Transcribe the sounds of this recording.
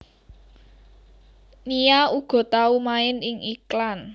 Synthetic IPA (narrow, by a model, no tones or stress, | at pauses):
nijauɡ̥ɔ̤t̪aumaɪnɪŋiklan